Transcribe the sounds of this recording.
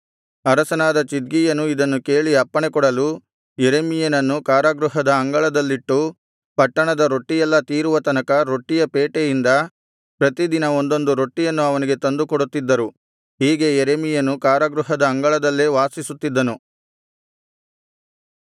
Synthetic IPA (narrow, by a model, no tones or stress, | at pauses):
ɐɾɐsɐnaːd̪ɐt͡ʃid̪̚ɡijɐnuid̪ɐnːuke̞ːɭiɐpːɐɳekɔɽɐlu | jeɾemijɐnɐnːukaːɾɐɡɾuɦɐd̪ɐːŋɡɐɭɐd̪ɐlːiʈːu | pɐʈːɐɳɐd̪ɐɾo̞ʈːijɛlːɐt̪iːɾuʋɐt̪ɐnɐkɐɾo̞ʈːijɐpeːʈejind̪ɐ | pɾɐt̪id̪inɐo̞nd̪o̞nd̪uɾo̞ʈːijɐnːuɐʋɐniɡe̞t̪ɐnd̪ukɔɽut̪ːid̪ːɐɾu | ɦiːɡe̞jɛɾemijɐnukaːɾɐɡɾuɦɐd̪ɐːŋɡɐɭɐd̪ɐlːeʋaːsisut̪ːid̪ːɐnu